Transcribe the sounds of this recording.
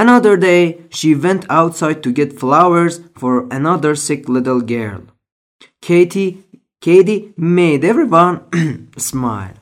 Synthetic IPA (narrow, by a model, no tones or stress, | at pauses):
ənʌðə˞deɪʃiwɛ̃ntʰaʊtsaɪd̚tʰɨɡɛtflawə˞zfəɹɨnʌðə˞sɪklɪɾəl̩ˠɡɛ̰ɹlˠʰ | ei | kʰeɪɾimeɪdɛvɹiwʌ̃nsmaɪlˠ